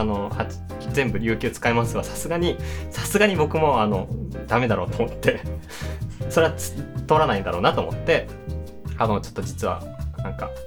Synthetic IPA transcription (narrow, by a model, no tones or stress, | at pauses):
ano̞hḁ | zẽ̞mbɯ̟ɾʲɨ̟ːkʲɨːt͡sɨ̥kaemasɨβasḁsɨɡaɲ̟isḁsɨɡaɲ̟ibo̞kɯ̟mo̞ano̞d̪̥ame̞d̪aɾo̞ːt̪oːmot̪ʰːe̞ | so̞ɾe̞at͡st̪ːoɾanaĩnd̪aɾo̞ːnat̪oːmo̞t̪ːe̞ | anot͡ɕot̪ːo̞d͡ʑit͡sɨβa̰ | nãŋka̰